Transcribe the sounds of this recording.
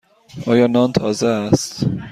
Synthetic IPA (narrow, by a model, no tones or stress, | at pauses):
ʔɒːjɒːnɒːnt̪ʰɒːzeːst̪